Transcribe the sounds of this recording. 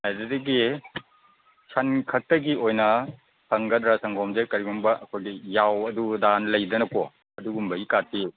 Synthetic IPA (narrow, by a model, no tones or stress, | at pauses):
ajdɐdɐɡi | sʰɐnkʰɐk̚tɐɡiojnɐ | sʰɐŋɡɐdɾasɐŋɡɔmzekɐɾiɡumbɐɐkʰojɡijawɐdudanlɐjdɐnɐko | ɐduɡumbɐikati